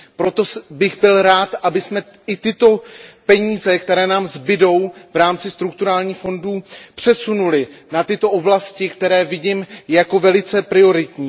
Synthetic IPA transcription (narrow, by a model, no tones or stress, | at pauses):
pɾo̞t̪o̞sbɪɣbɪlɾaːt̪ʔabɪsmɛɪt̪ɪt̪o̞pɛɲiːzɛkt̪ɛɾɛːnaːmzbɪdo̞wvɾaːmt͡sɪst̪ɾukt̪uɾaːlɲiːxfo̞nduːpr̥ɛsunulɪnat̪ɪt̪o̞ʔo̞blascɪkt̪ɛɾɛːvɪɟiːmjako̞vɛlɪt͡sɛpɾɪo̞ɾɪt̪ɲiː